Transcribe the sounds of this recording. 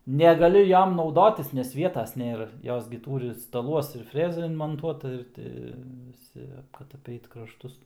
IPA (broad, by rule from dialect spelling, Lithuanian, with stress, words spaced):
nʲɛɡɐˈlʲʊ ˈjoːm nɐʊˈdoːtʲɪs nʲɛs ˈʋʲiɛtɐs nʲeːˈrɐ ˈjoːs ɡʲɪ ˈtuːrʲɪ stɐˈlˠuɔs ɪr ˈfʲrʲæːzɑː ɪnmoːnˈtuɔtɐ ɪr ˈtʲɪ ʋʲɪˈsʲɪ kɐt ɐˈpʲɛɪt krɐʃˈtʊs